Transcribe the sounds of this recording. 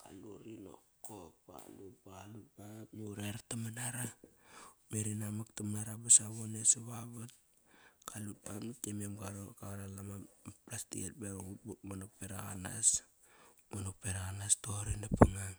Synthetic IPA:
ka̰luɾino̰kok̚ba̰lut̚balut̚bapjuɾeɾatamanaɾa | meɾinamaktamanaɾabasaβoneseβaβat̚ | kʰalut̚bamitemiemɡaɾokaɾalamaplastḭket̚beutbutmanopeɾaa̰na̰s | manokpeɾaɣanastoɾindapuŋaŋ

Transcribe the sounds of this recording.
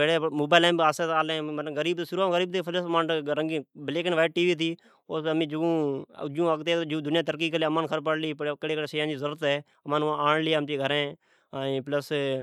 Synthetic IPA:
eːɽeːmoːbaːlẽːmbaːseːtaːlẽːmələɡəɾiːbt̪oːsʊɾuaːɡəɾiːb̚t̪eːpʰələsmãːɳʈɾəŋɡiːbɪleːkənʋaːɪʈ̚ʈiːʋiːt̪̬iː | oːəmĩːd͡ʒũːd͡ʒũːəɡt̪eːod͡ʒũːd̪ʊnɪjãːt̪əɾk̬iːkəleəmaːnkʰəɾp̬əɽliːpkeːɽeːkəɽeːseːjãːd͡ʒiːzəɾuɾət̪ɛː | əmanãaːɳliːəmt͡ʃiːɡʱəɾẽː | ãpləs

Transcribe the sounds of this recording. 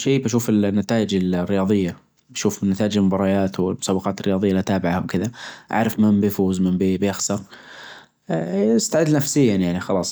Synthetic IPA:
ʃeːbaʃ̬uːfɪlnːat̪aːʔɪd͡ʒɪlrːɪjɑːðˤɪjːa | baʃuːfɪnːat̪aːʔɪd͡ʒɪlmʊbɑɾˤɑjaːt̪wɪlmʊsaːwɑqɑːt̪ɪrːɪjɑːðˤɪjːalat̪aːbɪʕahawkɪðaʔa̰ʕɾɪfmɪnbɪfuːzmɪmbibjaxsɑɾˤ | ɪst̪aʕɪd̪ːnafsɪjːanjaʕnixɑlɑːsˤ

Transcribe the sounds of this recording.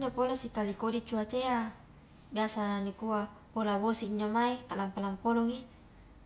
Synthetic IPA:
ɲd͡ʒapolasikalikodit͡ʃuat͡ʃea | biasanikua | polabosiiɲd͡ʒomaikalampalampolɔŋi

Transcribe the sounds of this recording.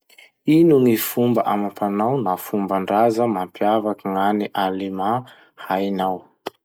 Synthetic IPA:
inuŋifumbəʔamapʰanawnafumbaɳɖ͡ʐazəmampjavakiŋaniʔalima | hajnaw

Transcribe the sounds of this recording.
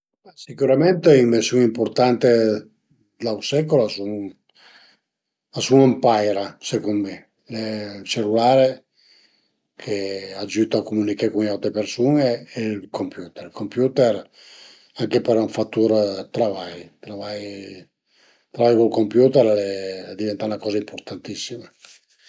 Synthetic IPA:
asikuɾament̪eimvesjuŋimport̪ant̪e | d̪awsɛkolasun | asunampajɾasekonme | let͡ʃelːulaːɾe | kʰead͡ʒut̪oakːomunikaɾkuŋiawt̪ɾepersuːneːlkompjuːt̪ɛɾkompjuːt̪ɛɾ | aŋkepeɾunfat̪ːuɾt̪ɾavajt̪ɾavaj | t̪ɾavajkulkompjuːt̪ɛɾled̪ivɛnt̪aunakɔːzaimport̪ant̪isːima

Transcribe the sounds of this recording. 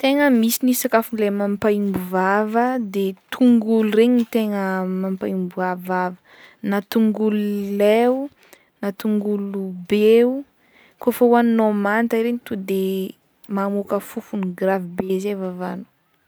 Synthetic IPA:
t̪eŋəmisinisakafunlemampaimbuvavəd̪et̪ʰuŋɡulureɲit̪eŋəmampaimbuavavə | nat̪uŋɡululeu | nat̪uŋɡulubeu | kofəwannomant̪aiɾeɲit̪ud̪e | mamukəfufuniɡravibezevavanu̥

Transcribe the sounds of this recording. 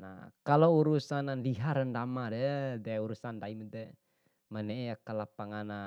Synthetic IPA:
na̰kalouɾusanaliɦaɾəndamadɛdauɾusandaimət̪ɛ | mənɛjakəlapaŋana

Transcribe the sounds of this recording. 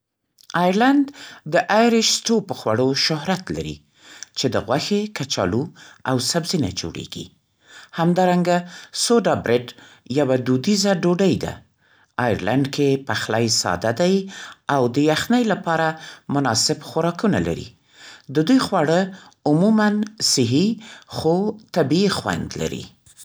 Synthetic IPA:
ɑjaɾland̪d̪əʔajɾɪʃstopəxwa̰ɽoʃʊɦɾat̪la̰ɾḭ | t͡ʃed̪əɣwaxekat͡ʃɑ̰luawsabzina̰d͡ʒo̰ɽḛɡ̥ḭ | hamd̪ɑɾaŋɡasoɖabɾɪɖ | jawad̪ud̪izaɖoɖəjd̪a̰ | ɑjɾlaɳɖkʰepaxlajsɑ̰d̪ad̪ajawd̪əjaxnəjlapɑɾamʊnɑsɪbxaɾɑkuna̰la̰ɾḭ | d̪əd̪ujxwaɽəʊmumansɪɦixot̪abiixwa̰nd̪la̰ɾḭ

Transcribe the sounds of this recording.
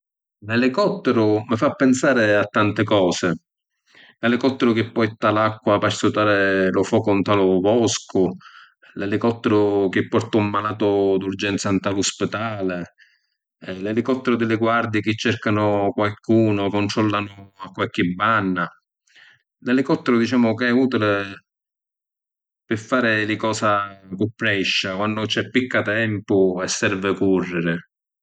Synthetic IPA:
lɛlɪkɔt̪ːɛɾʊmɪfapːɛnsaːɾɪat̪ːant̪ɪkɔːsɪ | lɛlɪkɔt̪ːɛɾʊk̟ɪpːɔjt̪ːalakːwapassʊt̪aːɾelʊfɔːkʊnt̪alʊvɔskʊ | lɛlɪkɔt̪ːɛɾʊk̟ɪpːɔrt̪aumːalaːt̪ʊd̪urd͡ʒɛnt̪sant̪alʊspɪd̪aːle | lɛlikɔt̪ːɛɾʊd̪ɪlɪɡward̪ɪkɪt͡ʃːɛrkanʊkwalkuːnʊkont̪ɾɔlːanʊakːwalk̟ɪbːanːa | lɛlɪkɔt̪ːɛɾʊd̪it͡ʃaːmʊkɪɛuːt̪ilɪ | pɪɾfːaːɾɪlɪkɔːsakʊpːɾɛʃːakwanːʊt͡ʃɛpːikːat̪ɛmpʊɛsːɛɾvɪkurːɪɾɪ

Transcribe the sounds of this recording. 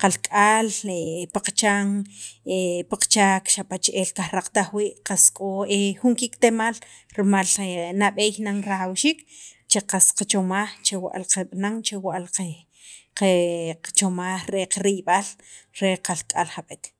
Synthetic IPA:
qalkʼaːlepaq͡χt͡ʃaŋepaq͡χt͡ʃaːkʃapat͡ʃʔeːlkaxɾaq͡χt̪aχwiːʔqaskʼoexuŋkikt̪emal | ɾimalnaɓeːjnaŋɾaxawʃiːkt͡ʃeqasqat͡ʃomaxt͡ʃewa̰ʔlqaɓnaŋt͡ʃewaʔlqe | qet͡ʃomaːχɾeqaɾiɓal | ɾeqalkʼalχaɓet̪

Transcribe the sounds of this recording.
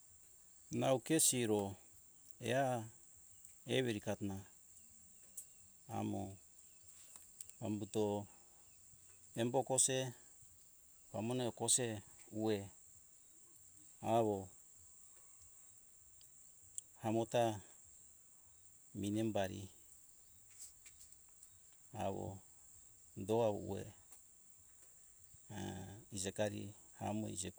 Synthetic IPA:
naukesiɾo | ḛa | eβeɾikatna | mo | βambuto | embokose | βamoneokoseue | aβo | hamota | minembaɾḭ | a̰βo̰ | doaβo̰ṵḛ | id͡ʒekaɾḭ | ha̰moḭd͡ʒek

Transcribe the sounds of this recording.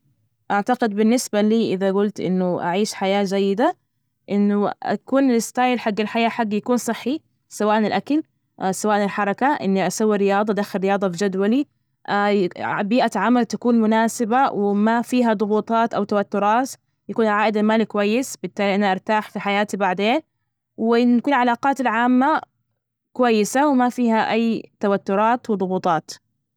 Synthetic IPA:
ʔaʕt̪aɡɪd̪̚bɪnːɪsbaliːʔɪðaɡʊlt̪ʔɪ̰nːʊʔa̰ʕiːʃħajaːd͡ʒajːɪd̪a | ʔɪnːʊa̰kuːnɪlɪst̪aːjlħaɡːalħajaːħaɡːjakuːnsˤɨħːi | sawaːʔnɪlʔakal | sawaːʔnɪlħɑɾˤɑkaʔɪ̰nːiʔasawːiɾɪjɑːðˤɑʔd̪axːɪlɾːɪjɑːd̪ˤɑbid͡ʒad̪wali | biːʔaʕamalt̪akuːnmʊnaːsɪbawɪmafiːɦad̪ˤʊɣuːt̪ˤɑːt̪ʔawt̪awat̪ːʊɾˤɑːt̪ | jakuːnʕaːʔɪd̪almaːlikʊwajːɪsbɪt̪ːaːliʔanaʔɑɾˤt̪aːħfiħajaːt̪ibaʕd̪eːn | wɪʔɪnːakuːnlʕalaːqɑːt̪ɪlʕaːmːa | kʊwajːɪsawɪmafiːhaʔajːt̪awat̪ːʊɾˤɑːt̪wɪðˤʊɣuːt̪ˤɑːt̪

